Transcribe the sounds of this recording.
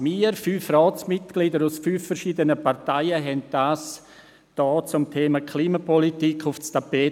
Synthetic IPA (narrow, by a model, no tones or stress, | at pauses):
miːɾfyːfrɔːsmɪtɡ̥lidəɾusfyːfːɛɾʃiːdənəpʰaɾtaɪəɦɛnt̚d̥aːs | d̥ɔːt͡sʊmtʰeːmakʰliːmapɔlitikʰʊft͡stapeː